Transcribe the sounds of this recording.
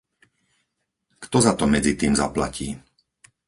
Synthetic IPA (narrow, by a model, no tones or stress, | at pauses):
kt̪ɔzat̪ɔmɛd͡zit̪iːmza̰pla̰ciː